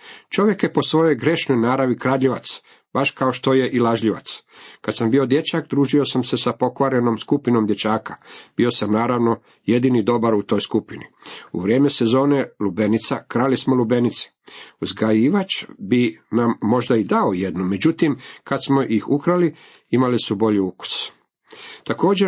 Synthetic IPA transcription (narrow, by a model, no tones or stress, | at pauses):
t͡ʃo̞ʋje̞kje̞po̞sʋo̞jojɡɾe̞ʃno̞jnaːɾaʋikɾaːʎiʋa̰t̪s | b̥aʃkaoʃt̪o̞je̞ʔilaʒʎiʋa̰t̪skad̪sambio̞d̪je̞t͡ʃakd̪ɾuːʒio̞samsesapo̞kʋaɾeno̞mskupinomd̪jet͡ʃaːkḁb̥io̞samnaːɾaʋno̞ | je̞d̪inid̪o̞baɾut̪o̞jskupini | ṵʋɾje̞ːme̞se̞zo̞ːne̞lube̞nit̪sakɾalismolube̞nit̪si̥uzɡajiːʋat͡ʃbinamːo̞ʒd̪aid̪ao̞je̞d̪nume̞d͡ʑut̪imkad̪smo̞ʔixukɾali | imalisubo̞ʎiuku̥s | t̪ako̞ːd͡ʑeɾ